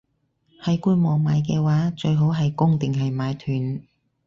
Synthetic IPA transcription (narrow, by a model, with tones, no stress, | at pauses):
hɐ˨˩jkuː˧nmɔː˨˩maː˨˧jk̬ɛː˧waː˨˥t͡ʃɵ˧ɥɦo˨˥wɦɐ˨jkʊ˥ŋt̪ɪ˨ŋɦɐ˨jmaː˨˧jt̪ʰyː˨˩n